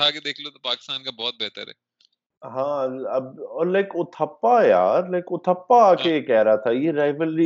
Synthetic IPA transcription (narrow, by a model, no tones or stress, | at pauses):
aked̪eːkʰlot̪opaːkɪst̪aːnkabɔːt̪̚bɛːt̪ə̰ɾɦɛ̰ | ɦãːɐbɔːlaɪkʊt̪ʰəpːaja̰ːɾlaɪkʊt̪ʰəpːaaːkejekɛːɦɾaat̪ʰajeɾaːɪʋəlɾi